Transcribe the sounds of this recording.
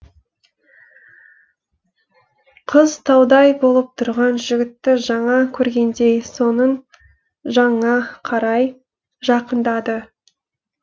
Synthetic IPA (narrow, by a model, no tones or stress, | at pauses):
qʰəzt̪ʰɑwd̪ɑjbo̞lˠəp̚t̪ʰʊɾʁɑnʒɪɡʲɪt̪ːɪʒɑɴɑkʲʰɵɾɡʲe̞nd̪e̞jso̞nən | ʒɑɴɑqʰɑɾɑj | ʒɑqənd̪ɑd̪ə